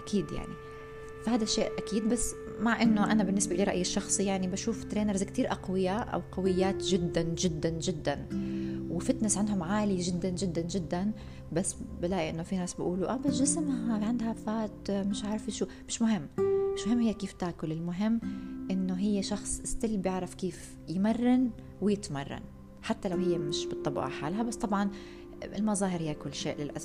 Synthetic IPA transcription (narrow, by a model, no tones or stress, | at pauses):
ʔakʰiːd̪ja̰ʕni | fahaːd̪aʃːeːʔʔakiːd̪basː | maʕʔɪnːʊʔanabɪnːɪsbaʔliːɾɑʔjɪʃːɑxsˤijaʕnibaʃuːft̪ɾeːnɑɾzkt̪iːɾʔaqwɪjaʔa̰wqawɪjːaːt̪ʒɪd̪ːanʒɪd̪ːanʒɪd̪ːanwɪfɪt̪nɪsʕand̪hʊmʕaːliʒɪd̪ːanʒɪd̪ːand͡ʒɪd̪ːan | basːblaːʔiʔɪnːofinaːsbɪʔuːluʔaːbaʒɪsmhaʕɪnd̪hafaːt̪mɪʃʕaʕɾˤfiʃuːmɪʃmʊɦɪmːmɪʃmʊhɪmːhɪjːakiːft̪aːkʊlɪlmʊɦɪmːʔɪnːoɦɪjːaʃɑxsˤʔɪst̪ɪlːbjɪʕɾˤɑfkiːf | jmɑrˤːɑn | wɪjɪt̪mɑrˤːɑ̰n | ħat̪ːalawhɪjːamɪʃbɨt̪ˤːɑbʔɑ̰ħaːlɦabasːt̪ˤɑbʕɑn | ɪ̰lmɑzˤɑːhɪɾhɪjːakʊlːʃeːʔlɪlʔa̰s